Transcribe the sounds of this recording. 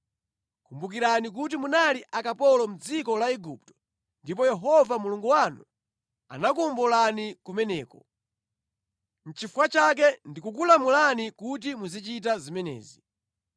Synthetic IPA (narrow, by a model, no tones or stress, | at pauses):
kumbuk̬iɾanik̬ut̬imunaliʔakapɔlɔm̩d͡zikɔlaɛɡuptɔ̥ | ndip̬ɔjɛɦɔvamuluŋɡuwanu | a̰nakumbulanikumɛnɛːkɔ | n̩t͡ʃifwat͡ʃak̬ɛndikuk̬ulamulanikut̬imuzit͡ʃit̬azimɛnɛ̰ːzi